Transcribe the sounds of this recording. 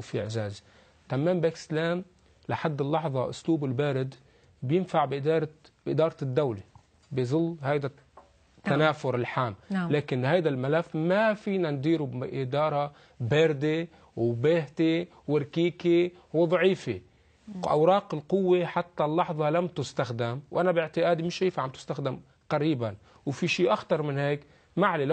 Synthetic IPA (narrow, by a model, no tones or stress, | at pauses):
fiʔɪʕzaːz | t̪amːeːmbeːkslaːm | laħad̪ːɪlːɑħðˤɑʔʊ̰sluːbɪlbeːɾɪd̪ | bjɪnfaʕbd̪ɾbʔɪd̪ɑːɾˤt̪ɪd̪ːawle | bɪzˤʊlːhajd̪a | t̪ːanaːfʊɾɪlħaːmːlaːkɪnhajd̪almalafːmafiːnand̪iːɾubʔɪd̪ɑːɾˤɑ | beːɾd̪e | wbeːht̪e | wɪɾkiːke | wd̪ˤʕiːfe | ʔa̰wɾˤɑːqɪlqʊwːeħat̪ːalːɑħðˤɑlamt̪ʊst̪axd̪ɪmwʔanabɪʕt̪ɪʔaːd̪imɪʃajfʕamt̪ɪ̥st̪axd̪ɪm | qaɾiːban | wfiʃiːʔaxt̪ɑɾˤmɪnheːk | maʕle